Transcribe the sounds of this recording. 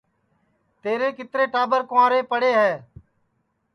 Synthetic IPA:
t̪eːɾeːkɪt̪ɾeːʈaːbəɾkʊãːɾeːpəɽeːɦɛː

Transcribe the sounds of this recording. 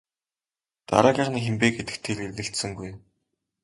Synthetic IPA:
t̪a̰ɾaːɣʲaːχniːŋxempeːɡet̪ɘ̆kt̪ʰeːɮeːɘ̆ɬt̪sɘ̆ŋɡuj

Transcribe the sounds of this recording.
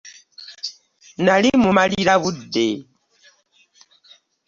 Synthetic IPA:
nalimumaliiɾaβudːe

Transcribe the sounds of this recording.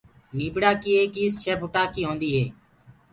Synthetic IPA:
niːbɽaːkiːeːkiːst͡ʃʰeːpʊʈaːkiːɦõːnd̪iːɦeː

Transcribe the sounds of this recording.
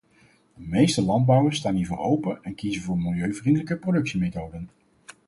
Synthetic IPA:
d̥əmejstəlɑnd̚bɑwəɹstaːnɦiːɹvʊ̰ːɹowpəɛnkizənvʊːɹmɪlˠjøɥvrindələkəprowdɵksimejtowdən

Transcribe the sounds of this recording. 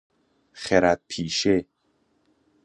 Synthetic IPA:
χeɾæt̪̚pʰiːʃe

